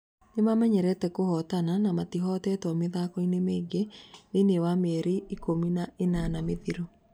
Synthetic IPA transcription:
nemamɛɲɛɾɛtɛkohɔtananamatiɦɔtɛtɔmeðakɔinemeːɡeenewamɛɾiikominaenanameðiɾo

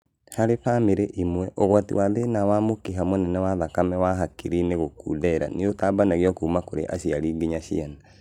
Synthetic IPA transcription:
haɾeɸameɾeʔimwɛʔoɣwatiwaðenawamokeɦamwonɛnɛwaðakamɛwaɦakiɾineɣokṵðɛɾa̰niotabanaɣjɔkuːmakoɾḛʔa̰ʃiaɾiːɡeɲaʃiana

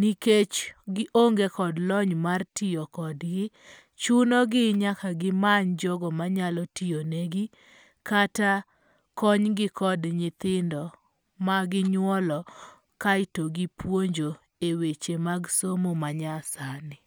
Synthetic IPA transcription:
niket͡ʃɡɪʔoŋɡekɔdlɔɲmartijɔkɔdɡɪ | t͡ʃunoɡɪɲakaɡɪmaɲd͡ʒɔɡɔmaɲalɔtijoneɡi | kata | kɔɲɡɪkɔdɲɪt̪ɪndɔ | maɡɪɲwɔlɔ | kajtoɡɪpwoɲd͡ʒo | ewet͡ʃemaɡsomomaɲasanɪ

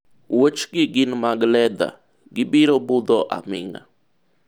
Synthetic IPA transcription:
wət͡ʃɡiɡinmaɡlɛd̪a̰ | ɡibiɾobud̪oʔa̰mḭŋa̰

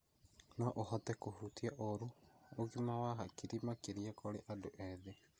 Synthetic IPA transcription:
nɔʔohɔt̪ɛkohutiaʔoɾuoɣimawaɦakiɾimakeɾiakɔɾeʔadoʔɛðe

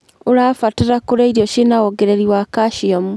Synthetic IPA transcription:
oɾafateɾakoɾaiɾiɔʃenaɣɔɡeɾeɾiwakaʃiamu

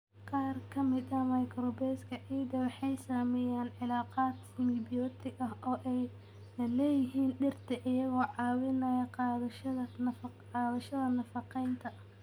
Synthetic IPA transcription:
qɑːrkʰɐmɪd̪ɐmɐjkʰrɔbɛːskʰɐʕiːd̪ɐwɑħɑjsaːmɛjaːnʕɑlɑːqɑːt̪ɪŋɡɪbɪjɔːt̪ʰɪɐɦɔːʔɛj | nɐlɛːjɪɦiːnɖɪrt̪ʰɐʔɪjɐɣɔːʕɑːwɪnɐjɐqɑːðɐʃɐðɐnɐf | ɑːðɐʃɐðɐnɐfɑqɛjnt̪ʰɐ

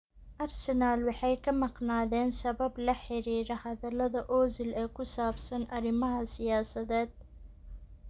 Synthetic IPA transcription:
ʔɐrsɛnaːlwɑħɑjkʰɐmɑqnaːðɛːnsɐbɐblɐħɪɾiːɾɐhɐðɐlɐðɐʔɔːzɪlɛːkʰʊsaːbsɐnʔɐrɪmɐɦɐsɪjaːsɐðɛːd̪̚

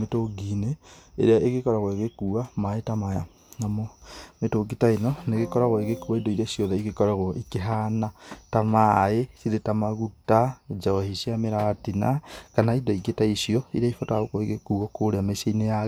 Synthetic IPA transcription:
metoɡinḛːɾeaeɣekɔɾaɣwɔeɣekuamaetamaja | namometoɡitaenɔneɣekɔɾaɣweɣekuaidɔiɾasijɔðɛiɣekɔɾaɣwɔʔikeɦanatamaesiðetamaɣutaed͡ʒaɔhisiameɾaatinakanaidɔiɡetaisiɔḭɾaifɔtaaokɔeɣekuːɔkoɾeameseineja

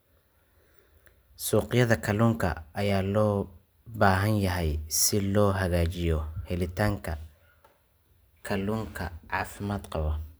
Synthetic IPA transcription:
suːqɪjɐðɐkʰɐluːŋkʰɐ̰ɐjaːlɔː | baːɦɐnjɐɦɛjsɪlɔːɦɐɣaːt͡ʃɪjɔhɛlɪt̪ʰaːŋkʰɐ | kʰɐluːŋkʰɐʕɑːfɪmaːd̪qɑβɔ

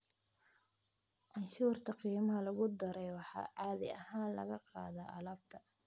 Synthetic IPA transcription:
ʕɑnʃuːrt̪ʰɐqiːmɐɦɐlɐɣʊd̪ɐɾɛjwɑħɑ̰ːʕɑːðɪɐhaːnlɐ̰ɣɐqɑ̰ːðɐʔɐlɐb̚t̪ʰɐ

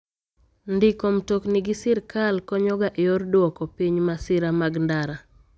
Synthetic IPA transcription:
ndɪkomtokniɡɪsɪɾkalkɔɲɔɡaʔɪɔrdwɔkɔpiɲmasɪɾamaɡndaɾa

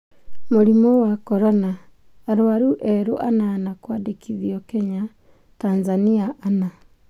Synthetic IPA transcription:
moɾimɔwakɔɾɔnaː | ɾwaɾuʔɛɾoʔanaːnakwadekʰiðiɔkɛɲa | tanzaniaʔana

